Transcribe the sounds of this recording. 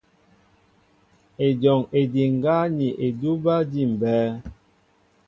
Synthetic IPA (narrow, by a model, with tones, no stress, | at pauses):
e˨d͡ʒɔ˨ŋe˨di˨ŋ˨ɡa˦ni˨ʔe˨du˦ba˦di˦˨m̩˨bɛː˦